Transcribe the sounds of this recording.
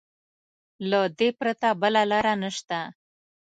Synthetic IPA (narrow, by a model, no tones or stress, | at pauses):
lad̪epɾat̪abəlalɑɾanəʃt̪a